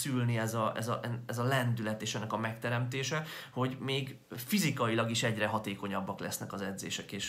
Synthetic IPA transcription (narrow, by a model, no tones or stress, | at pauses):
sylniɛzɒʔɛ̰zɒʔɛɛzɒlɛnd̪ylɛt̪eːʃɛnːɛkɒmɛkt̪ɛɾɛmt̪eːʃɛho̞ɟmeːɡ | fizikɒilɒɡiʃɛɟrɛɦɒt̪eːko̞ɲɒbːɒklɛsnɛkɒzɛd̪zḛːʃɛkeːʃ